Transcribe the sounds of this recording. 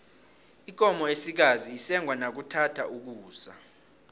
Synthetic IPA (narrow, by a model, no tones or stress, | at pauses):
ik̬ʼɔmɔesik̬aziːsɛŋʱwanak̬utʰatʰaʔuk̬uːsa̰